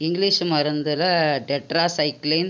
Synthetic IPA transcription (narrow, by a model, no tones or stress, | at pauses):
ɪŋɡliːʂmɐɾɐnd̪ɯlɐɖɛʈɾaːsɐɪkːleːn